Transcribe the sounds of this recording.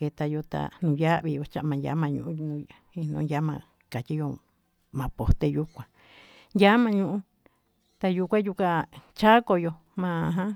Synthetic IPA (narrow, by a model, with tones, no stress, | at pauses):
ke˧t̪a˧jo˧t̪a̰˨nũː˧˨ja˦ʔβi˧jo˧t͡ʃa˦˧ʔmã˧ja̰˨˦mã˧ɲṵ̃˧˨ʔũ˧˦˧nũ˧˦ | i˧nõ̰˦ja˦mã̰˧ | ka˨ti˦jo˧ | mã˨po˨t̪e˧ju˦kʷã˧ | ja˦mã˧ɲũ˧ʔũ˧˦ | t̪a˧juː˧kʷã˦ju˧kʷa˧t͡ʃa˦ko˧jo˧ | mã˧ɦã˦